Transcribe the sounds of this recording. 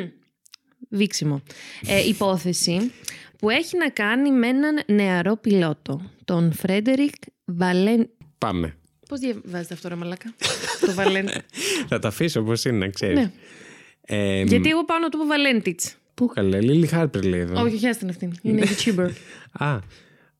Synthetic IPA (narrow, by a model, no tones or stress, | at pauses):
viksimo̞ʔipo̞θe̞sipue̞çinɐkɐnime̞nɐnːe̞ɐɾo̞pilo̞t̪o̞t̪o̞nfɾe̞d̪e̞ɾikvɐlenpɐ̰mḛ | po̞zðjɐvɐzet̪eɐft̪oɾemɐlɐkɐt̪ovɐlent̪inɐt̪ɐfisooposinḛkseɾine | eʝɐie̞ɣo̞pɐnot̪opovɐle̞nt̪it͡s | pukɐlelilixɐɾpeɾleðooçoçɐst̪inɐft̪inineitçubeɾɡɐ